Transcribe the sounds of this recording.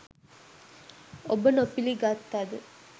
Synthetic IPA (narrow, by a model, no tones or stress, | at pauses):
obənopiliɡat̪ːad̪ə